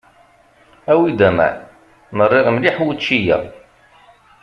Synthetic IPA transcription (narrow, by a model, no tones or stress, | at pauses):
æwid̪æmæ̰ | nərˤːɪʁmliħwut͡ʃːijæ̰